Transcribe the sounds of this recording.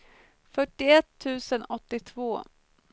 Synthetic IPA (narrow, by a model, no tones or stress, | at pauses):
fœʈːɪɛt̪ʰːʉ̟ːsənɔt̪ːɪt̪ʰvoː